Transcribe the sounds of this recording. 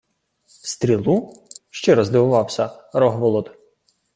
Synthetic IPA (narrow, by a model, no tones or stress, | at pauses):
st̪ɾʲilˠuʃt͡ʃɛɾɔzd̪ɪʋʊʋɑwsʲɐɾɔɦʋɔlˠɔd̪